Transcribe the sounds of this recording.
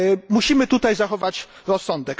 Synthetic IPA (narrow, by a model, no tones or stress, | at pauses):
muɕimɘt̪ut̪ajzaxɔvat͡ɕ | ɾɔsːɔnd̪ɛk